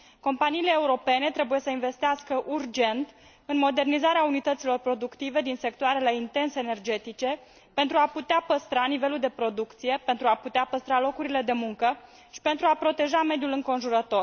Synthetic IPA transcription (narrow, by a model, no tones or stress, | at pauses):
ko̞mpaniːleːuɾo̞pe̞ne̞t̪ɾe̞buje̞səinve̞st̪iaskəʔurd͡ʒe̞nt̪ | ɨnmo̞d̪e̞rnizaɾeaunit̪ət̪silo̞rpɾo̞d̪ukt̪ive̞d̪inse̞kt̪oaɾe̞le̞int̪e̞nseːne̞rd͡ʒe̞t̪it͡ʃe̞ | pe̞nt̪ɾuaput̪eapəst̪ɾanive̞luld̪e̞pɾo̞d̪ukt̪sije̞pe̞nt̪ɾuaput̪eapəst̪ɾalo̞kuɾile̞d̪e̞muŋkə | ʃi̥pe̞nt̪ɾuapɾo̞t̪e̞ʒame̞d̪julɨŋko̞nʒuɾət̪o̞r